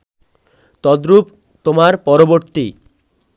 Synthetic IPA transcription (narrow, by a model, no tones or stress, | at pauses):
t̪ɔd̪ɾup | t̪omaɾpɔɾoboɾt̪i